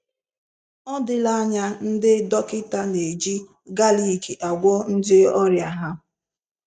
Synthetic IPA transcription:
ɔ˦dɪ˦la˦ɲa˦n̩˦dɪ˦dɔ˦kɪ˦ta˦ne˨d͡ʒi˦ | ɡa˦li˦˨ki˨ʔa˨ɡʷɔ˦n̩˦dɪ˦ɔ˦ɾja˨ɦa˦

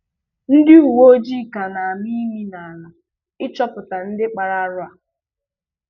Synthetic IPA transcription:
n̩˦dɪ˦u˨wo˦d͡ʒi˦˨ka˨na˨a˨mi˦mi˦na˨a˨na˨ | ɪ˦t͡ʃɔ˦pʊ˨ta˨n̩˦dɪ˦k͡pa˨ɾa˦ɾʊ˦a˨

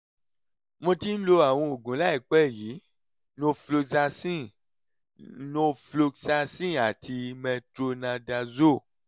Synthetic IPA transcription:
mõ˧˦tĩ˦n̩˦lo˧a˨w̃ɔ̃˧o˨ɡũ˨˦la˦ɛ˨k͡pɛ˦˨ji˨˦ | nõ˧flo˧sa˧sĩ˦˨ | nõ˧flo˧sa˧sĩ˦˨a˨tʰi˧mɛ̃˧tɾo˧nã˧da˧zo˦˨

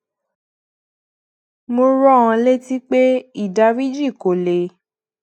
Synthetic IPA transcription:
mo˧ɾɔ˦ã˧le˦ti˦k͡pe˦i˦˨da˧wi˦d͡ʒi˦˨ko˨le˨

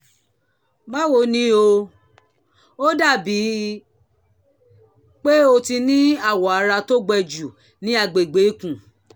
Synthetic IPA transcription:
ma˦wo˧˨nĩ˨˦o˧ | o˦da˦˨bi˨˦ | k͡pe˦o˧ti˧nĩ˦a˦˨wɔ˨a˨˧˦ɾa˧to˦ɡ͡bɛ˧d͡ʒu˨ | nĩ˦a˧˨ɡ͡be˨ɡ͡be˨˦kũ˦˨

